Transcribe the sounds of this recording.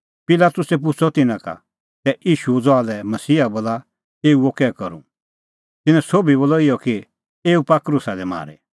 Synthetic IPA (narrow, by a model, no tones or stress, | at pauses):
pɪlaːt̪ʊsɛp̬ʊt͡sʰɔt̪ɪnãka̰ | t̪ɛʔiːʃud͡zɔaːlɛmɐsiːaboːla | eːuokɛːkɐɾṵ̃ | t̪ɪnɛ̃soːbiboːlɔɪjɔki | eːupakɾʊsad̪ɛma̰ːɾɛ̰